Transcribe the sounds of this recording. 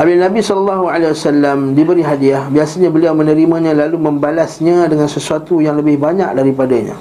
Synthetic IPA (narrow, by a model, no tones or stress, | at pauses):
ʔalilnãbisɔlɔlːaɦualewasalːamdibəɾiɦadiahbiasaɲãbəliawmə̃nəɾimãɲãlalumə̃mbalasɲãdəŋansəsuat̪ujaŋləbɪhbaɲak̚daɾipadaɲã̰